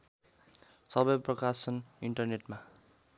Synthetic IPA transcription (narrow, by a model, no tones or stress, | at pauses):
sʌbʌjprʌkasʌniɳʈʌrneʈma